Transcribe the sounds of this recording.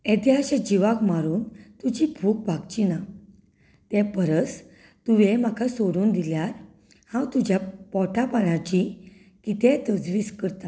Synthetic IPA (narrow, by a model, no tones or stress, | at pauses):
ẽd̪jaɕad͡ʑiʋãkmaɾuːnt̪ud͡ʑibʱuːk̚bʱaɡt͡ɕina | t̪ɛpəɾət͡s | t̪uʋem̤akʰasoɾuːnd̪iljaɾ | hãwt̪ud͡ʑjapɔʈʰapanat͡ɕi | kit̪et̪əd͡zʋiːskəɾt̪a